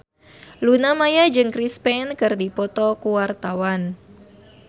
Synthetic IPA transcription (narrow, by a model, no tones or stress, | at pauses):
lunamajad͡ʒɨŋkɾispɛnkɨrdipɔt̪ɔkuwart̪awan